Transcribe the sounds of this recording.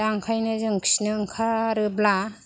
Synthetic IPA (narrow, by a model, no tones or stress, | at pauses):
aŋkʰajnɯzɯŋkʰi̥snɯŋkʰaɾɯbla